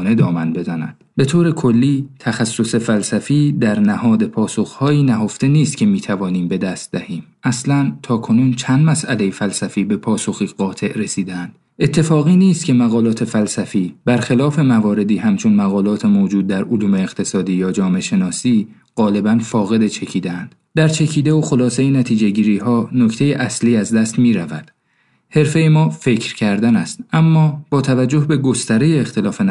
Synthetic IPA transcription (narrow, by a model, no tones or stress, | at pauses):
ne̞d̪ɒːmænbe̞zænæ̰d̪̥be̞t̪ʰoːɾe̞kʰo̞lːiːt̪ʰæxæsːose̞fælsæfiːd̪æɾnæhɒːd̪e̞pʰɒːso̞xhɒːiːnæɦo̞ft̪e̞niːst̪kʰʲcʰe̞miːt̪ʰævɒːniːmbe̞d̪æst̪̚d̪æhiːm | ʔæslænt̪ʰɒːkʰo̞nuːnt͡ʃʰænd̪mæsʔæle̞jefælsæfiːbe̞pʰɒːso̞xiːɣɒːt̪ʰe̞ʔɾesiːd̪eænd̪̥ | ʔe̞t̪ʰːe̞fɒːɣiːniːst̪̚cʲʰe̞mæɣɒːlɒːt̪ʰe̞fælsæfiːbæɾxelɒːfe̞mævɒːɾe̞d̪iːhæmt͡ʃʰo̞nmæɣɒːlɒːt̪ʰe̞moːd͡ʒuːd̪̚ːæɾoluːme̞ːɣ̥t̪ʰe̞sɒːd̪iːjɒːd͡ʒɒːme̞ʃe̞nɒːsiː | ɢ̥ɒːle̞bænfɒːɣe̞d̪et͡ʃʰecʰiːd̪eænd̪̥ | d̪æɾt͡ʃʰe̞cʰiːd̪e̞oxo̞lɒːse̞jenæt̪ʰiːd͡ʒe̞ɟiːɾiːɦɒːno̞cʰt̪ʰe̞jeʔæsliːæzd̪æst̪miːɾævæd̪̥ | he̞ɾfe̞jemɒːfe̞cʰɾcʰæɾd̪ænæst̪ʔæmːɒːb̥ɒːt̪ʰævæd͡ʒːo̞hbe̞ɡo̞st̪æɾe̞jeːxt̪e̞lɒːfen